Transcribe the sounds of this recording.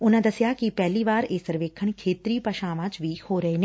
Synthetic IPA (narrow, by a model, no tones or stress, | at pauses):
ʊnãd̪ɐsjakipɛːliʋaːɾeːsəɾʋeːkʰəɳ̃kʰeːt̪ɾiːpəʃãːʋãt͡ʃʋihoːɾɐene